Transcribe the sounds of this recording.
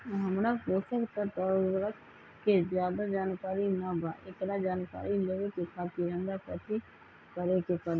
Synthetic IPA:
ɦəmɽãːɦoːsəkt̪ət̪ɔːɾʋɾək | kezjaːd̪aːd͡ʒaːnkaːɾiːnãːba̰ːʔɪklaːd͡ʒaːnka̰ːɾiːleːʋeːkʊkʰːaːpiːɾə̃ːnd̪aːpət̪ʰiː | kəɾeːkʊkaːd̪

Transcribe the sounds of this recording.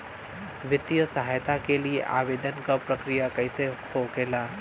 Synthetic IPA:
ʋɪt̪jəsɐɦaːjt̪akeliḛʔa̰ːʋeːd̪ənkapɾɐkɾijakɐise | okeːlaː

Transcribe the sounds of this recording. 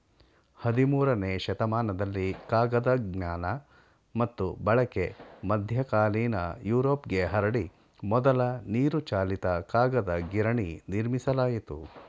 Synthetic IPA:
hɐd̪imuːɾɐneːʃɐt̪ɐmaːnɐd̪ɐlːikaːɡɐd̪ɐɡɲaːnɐ | mɐt̪ːubɐɭɐke̞mɐd̪ʱjɐkaːliːnɐ̰juːɾoːpɡe̞ɦɐɾɐɽi | mɔd̪ɐlɐniːɾut͡ʃaːlit̪ɐkaːɡɐd̪ɐɡiɾɐɳiniɾmisɐlaːjit̪ṵ

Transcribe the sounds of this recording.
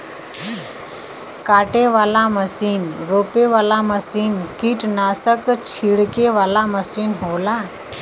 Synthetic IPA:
kaʈeʋalaməsiːnɾopeʋalaməsiːnkiʈnasəkt͡ɕʰiɽkeʋalaməsiːnɦola

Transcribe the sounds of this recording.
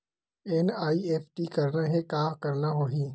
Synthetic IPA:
enaːieːpʰʈikɐɾnaɦɛkaːfkɐɾnaɦoːɦĩː

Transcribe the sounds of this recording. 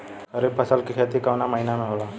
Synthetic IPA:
kəɾeːpʰəsəlkikʰeːt̪ikaʋnaməɦinamẽɦoːlaː

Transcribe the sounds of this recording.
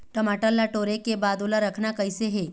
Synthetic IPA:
ʈəmaʈəlːaʈoɾekebad̪olaɾəkʰɳakəjseɦe

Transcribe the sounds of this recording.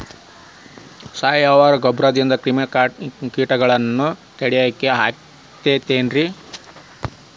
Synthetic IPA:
saːjaːʋaːɾɐɡɐbɾaːd̪ind̪ɐkɾimekiːʈɐɡɐɭɐnːut̪eɽɛjaːkːeɦaː | t̪eːt̪eːnɾi

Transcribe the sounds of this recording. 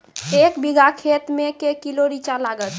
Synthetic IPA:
ekbiɡʱakʰet̪mekekiloɾit͡ʃalaɡət̪

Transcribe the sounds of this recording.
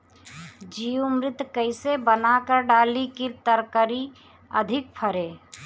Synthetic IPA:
d͡ʒiumɾɪt̪kəɪsebənakəɾɖaːlikiɾt̪əɾkəɾi | ə̰d̪ʱɪk̚pʰəɾeː

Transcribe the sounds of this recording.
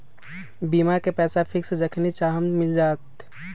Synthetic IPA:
biːmaɾkepɛːsapʰɪksd͡ʒəkʰnit͡ʃaɦəmmɪld͡ʒaːt̪

